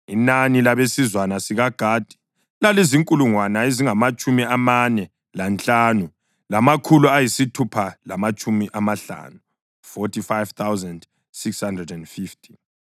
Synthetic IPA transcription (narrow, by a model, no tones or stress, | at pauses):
inanilaβesizwanasiɣaɡ̥ʱaːd̥ʱi̥ | laleziŋkʼuluŋwanaeziŋamat͡ʃʼumiamanɛ | lant͡ɬʼaːnu | lamakʰuluajisitʰupʰalamat͡ʃʼumiʔamaɬa̰ːnu | fɔtʰifajvt̪ʰawzand | sikshandrɛdɛndfiftʰi̥